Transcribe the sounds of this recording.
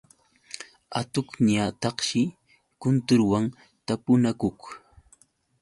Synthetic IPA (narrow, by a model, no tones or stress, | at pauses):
a̰t̪ʊkɲat̪ɑχʃɪ | kʊnt̪ʊɾwaŋ | t̪apʊnakʊk